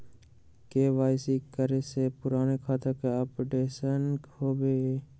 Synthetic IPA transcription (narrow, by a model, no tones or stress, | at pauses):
keːʋaːsikəɾesepʊɾaːnekʰaːt̪akeapʈeːʃənhoːbeː